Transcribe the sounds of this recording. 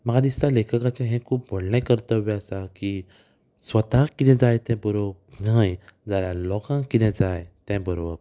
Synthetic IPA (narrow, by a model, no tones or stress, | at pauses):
məɡad̪ist̪alekʰəkat͡ɕẽɦɛ̃kʰuːp̚bʱoɽnɛ̃kəɾt̪əʋɛəsaki | sʋət̪ãkit̪ɛ̃d͡zajt̪ɛ̃bəɾonajd͡zaljalɔkãkit̪ɛ̃d͡zajt̪ɛ̃bəɾoəp